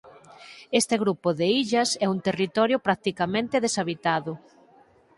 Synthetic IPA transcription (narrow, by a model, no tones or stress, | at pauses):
est̪eɣɾupʊðeiʎɐsɛunt̪erit̪ɔɾjʊpɾak̚t̪ikamẽnt̪eðesaβit̪aðʊ